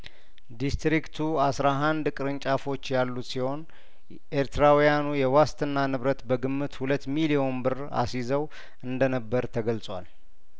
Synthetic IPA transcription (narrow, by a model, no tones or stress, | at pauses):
d̪ist̪ɾikt̪ʰuasɾaɦand̪kʼɨɾɨɲt͡ʃʼafo̞t͡ʃːjalːut̪siho̞n | ʔeɾt̪ʰɨɾawijanujɛwast̪ɨnːanɨβɾət̪bəɡɨmːɨt̪hulət̪ːmilijo̞o̞nbɨr | a̰sizəw | ɨnd̪ənəbːəɾt̪ʰəɡəlt͡sʼwa̰l